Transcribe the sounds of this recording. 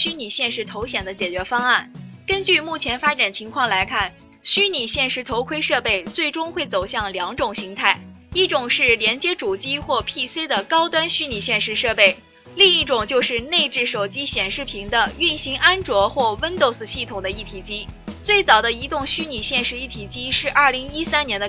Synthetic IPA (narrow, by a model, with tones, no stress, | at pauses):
ɕy˥ni˨˩ɕjɛ˥˧nʂɻ̩˧˥t̪ʰo˧˥ʊɕjɛ˨˩nd̪ə˦t͡ɕjɛ˨˩t͡ɕɥɛ˧˥fɑ˥ŋa˥˩nkə˥nt͡ɕy˥˧mu˥˩t͡ɕʰjɛ˧˥nfa˥ʈ͡ʂa˨˩nt͡ɕʰi˧˥ŋkʰwɑ˥˩ŋla˧˥ɪkʰa˥˩n | ɕy˥ni˨˩ɕjɛ˥˩nʂɻ̩˧˥t̪ʰo˧˥ʊkʰwe˥ɪʂɤ˥˧pe˥˧ɪt͡swe˥˩ɪʈ͡ʂʊ˥ŋxwe˥˩ɪt͡so˨˩ʊɕjɑ˥˩ŋljɑ˧˥ŋʈ͡ʂʊ˨˩ŋɕi˧˥ŋt̪ʰa˥˩ɪ | i˥˩ʈ͡ʂʊ˨˩ŋʂɻ̩˥˩ljɛ˧˥nt͡ɕjɛ˥ʈ͡ʂu˨˩t͡ɕi˥xwɔ˥˧pʰi˥˩se˥d̪ə˨kɑ˥ʊt̪wa˥nɕy˥ni˨˩ɕjɛ˥˩nʂɻ̩˧˥ʂɤ˥˧pe˥˩ɪ | li˥˧ŋi˥˩ʈ͡ʂʊ˨˩ŋt͡ɕjo˥˧ʊʂɻ̩˥˧ne˥˧ɪʈ͡ʂɻ̩˥˩ʂo˨˩ʊt͡ɕi˥ɕjɛ˨˩nʂɻ̩˥˩pʰi˧˥ŋd̪ə˧y˥˩nɕi˧˥ŋa˥nʈ͡ʂwɔ˧˥xwɔ˥˩wə˥nt̪o˥˩ʊsɹ̩˧ɕi˥˩t̪ʰʊ˨˩ŋd̪ə˦i˥˩t̪ʰi˨˩t͡ɕi˥t͡swe˥˩ɪt͡sɑ˨˩ʊd̪ə˦i˧˥t̪ʊ˥˩ŋɕy˥ni˨˩ɕjɛ˥˧nʂɻ̩˧˥i˥˩t̪ʰi˨˩t͡ɕi˥ʂɻ̩˥˧ʔɐ˥˩li˧˥ŋi˥sa˥njɛ˧˥nd̪ə˧